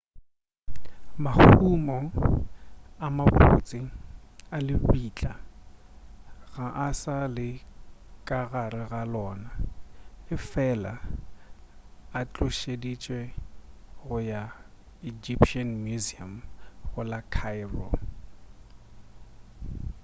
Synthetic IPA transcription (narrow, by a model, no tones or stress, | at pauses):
mahumɔ | amapo̰t͡sʼɪalɪbiːt͡ɬʼa | ɣaʔasalɪkʼaɣaɾɪɣalɔːna | ɪfɛla | at͡ɬʼʊʃedit͡ʃʼwɛ | ɣʊja | id͡ʒipʃanmjuziamɣʊlakʰaɪbɔ